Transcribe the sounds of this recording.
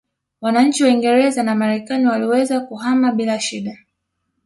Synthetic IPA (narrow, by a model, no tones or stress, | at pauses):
wanaɲ̩t͡ʃiwaiŋɡɛɾɛzanamaɾɛkaniwaliwɛzakuhamaɓilaʃiɗa